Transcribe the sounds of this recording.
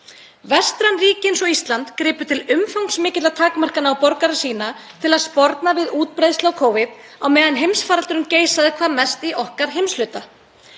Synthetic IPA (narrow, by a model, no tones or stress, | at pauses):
vɛst̪ɾanriːcɪnsɔist̪lant̪kɾɪːpʏt̪ʰɪlʏmfawŋksmɪːcɪt̪lat̪ʰaːkmar̥kanawpɔɾkaɾasiːnat̪ʰɪlaðspɔɾt̪navɪðuːt̪pɾejðstlawkʰoːwvɪt̪̚ | awmɛːðanɦejmsfaːɾalt̪ʏɾʏmceːjsaðɪkʰvaːmɛst̪iʔɔhkaɾ̥ɦejmslʏt̪a